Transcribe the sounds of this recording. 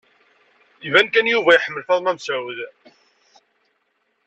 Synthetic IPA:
ivænkænjuvæjħəmːəlfæðˤmæmsawð

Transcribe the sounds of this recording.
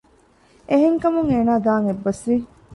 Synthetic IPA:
eɦeŋkɐmuŋeːnaːd̪aːŋebːɐsʋi

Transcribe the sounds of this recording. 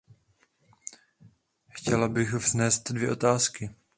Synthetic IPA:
xcɛlabɪxvznɛːst̪dvjɛ̰ʔo̞t̪aːskɪ

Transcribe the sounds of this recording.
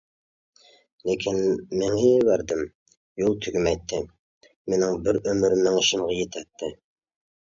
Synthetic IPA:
lekʲʰɪnmɪŋɪjvæɾd̪ɪm | jolˠt̪ʰyɡʲymɛjt̪ʰːɪ | menɪŋbɪɾømyɾɪmnɪŋɪʃɪmʁɑjet̪ʰæt̪ʰːɪ

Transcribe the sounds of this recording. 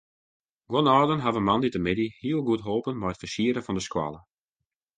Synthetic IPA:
ɡwɔnɔːdənɦavəmɑnditəmɪdihiəlˠɡutɦoːpənmɛjətfərsiəɾəfɔndəskwa̰lˠə

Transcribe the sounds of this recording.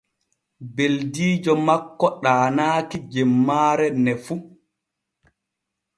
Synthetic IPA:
beldiːd͡ʒɔmakːɔɗaːnaːkid͡ʒɛmːaːɾɛnɛfu

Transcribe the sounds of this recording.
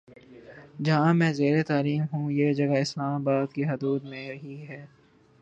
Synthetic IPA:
d͡ʒɐɦãmɛ̃ːzeːɾet̪aːliːmɦũjeːd͡ʒɐɡaɪslaːmabaːd̪keɦʊd̪uːd̪mẽɾɐɦiɦɛː

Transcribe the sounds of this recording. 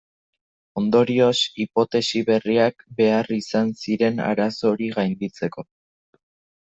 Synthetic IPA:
o̞nd̪o̞ɾio̞sipo̞t̪e̞siβe̞riakbe̞arisansiɾe̞na̰ɾaso̞ɾiɣajnd̪it͡se̞ko̞

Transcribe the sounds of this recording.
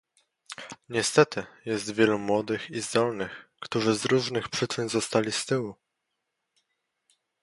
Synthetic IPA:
ɲɛst̪ɛt̪ɘjɛst̪vʲjɛlumwɔd̪ɘxizd̪ɔlnɘxkt̪uʐɘzɾuʐnɘxpʂɘt͡ʂɘnzɔst̪alʲist̪ɘwu

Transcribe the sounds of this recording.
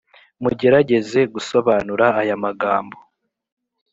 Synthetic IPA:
muɟe̞ɾaɟe̞ze̞ɡuso̞βaːnuɾaːjamaɡaːmbo̞

